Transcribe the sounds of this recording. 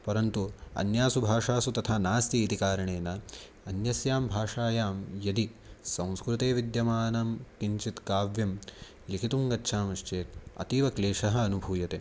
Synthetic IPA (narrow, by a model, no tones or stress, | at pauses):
pɐɾɐnt̪uɐ̰njaːsubʱaːʂaːsut̪ɐt̪ʰaːnaːst̪iːt̪ikaːɾɐɳeːnɐ | ɐnjɐsjaːmbʱaːʂaːjaːmjɐd̪isɐ̃w̃skɾut̪eːʋid̪jɐmaːnɐmkiɲt͡ʃit̪kaːʋjɐm | likʰit̪uŋɡɐtːʃʰaːmɐʃt͡ʃeːt̪̚ɐ̰t̪iːʋɐkleːʂɐɦɐ̆ːnubʱuːjɐt̪eː